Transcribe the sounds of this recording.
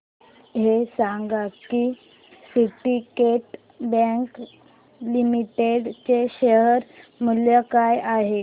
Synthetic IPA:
ɦesaŋɡaki | siʈikeʈ | bɛ̃ŋk | limiʈeɽt͡ɕeɕəɦəɾmuljəkajaɦe

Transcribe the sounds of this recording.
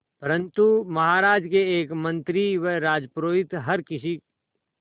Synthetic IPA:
pɐɾə̃nt̪umɐɦaːɾaːd͡ʒkeeːkmɐ̃nt̪ɾiʋeɾaːd͡ʒpɾoːɪt̪ɦɐɾkɪsi

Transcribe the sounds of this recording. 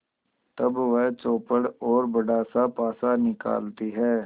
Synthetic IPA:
t̪ɐbʋəɦt͡ʃoːpəɽɔːɾbɐɖaːsapaːsanɪka̰ːlt̪iɦɛː

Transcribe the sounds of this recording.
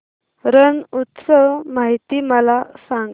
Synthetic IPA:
ɾənut̪səʋmaɦit̪iməlasãŋɡ

